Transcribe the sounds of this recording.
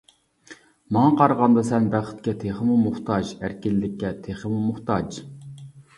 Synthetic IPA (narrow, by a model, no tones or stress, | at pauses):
mɑŋɑqʰɑɾəʁɑnd̪ɑsɛnbæχɪ̥t̪̚kʲɛt̪ʰeχəmumʊχt̪ʰɑd͡ʒæɾkʲɪlɪd̪ɪkʲːɛt̪ʰeχəmumʊχt̪ɑd͡ʒ